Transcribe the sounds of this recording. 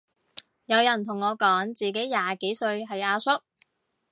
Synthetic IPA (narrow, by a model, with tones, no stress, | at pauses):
jɐ˨˧wjɐ˨˩nt̪ʰʊ˨˩ŋːɔː˨˧kɔː˨˥ŋt͡siː˨ke˨˥jjaː˨ke˨˥jsɵ˧ɥɦɐ˨jaː˧sʊ˥k̚